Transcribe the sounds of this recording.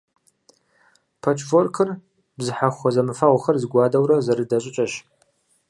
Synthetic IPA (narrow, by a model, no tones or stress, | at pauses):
pʰɐt͡ʃʰʼvorkʰɨr | bzɨħaχʷɔzɐmɨfaʁʷχɐrzɨɡʷaːdɐwɾɐzɐɾɨdɐɕʼɪt͡ʃʼɐɕ